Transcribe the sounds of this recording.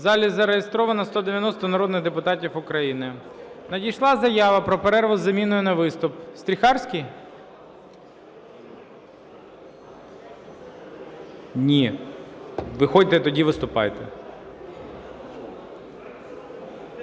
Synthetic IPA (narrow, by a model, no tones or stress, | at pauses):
zɑlʲizɐɾejest̪ɾɔʋɐnɐst̪ɔd̪eʋjɐnɔst̪ɔnɐɾɔd̪nɪɣd̪epʊt̪ɑtʲifʊkɾɐjinɪnɐdʲijʃlˠɑzɐjɑʋɐpɾɔpeɾɛrʋʊzɐmʲinʊjʊnɐʋɪst̪ʊpst̪ʲɾʲixɑrsʲkʲij | nʲi | ʋɪxɔdʲt̪ɛt̪ɔdʲiʋɪst̪ʊpɑ̰jt̪ɛ̰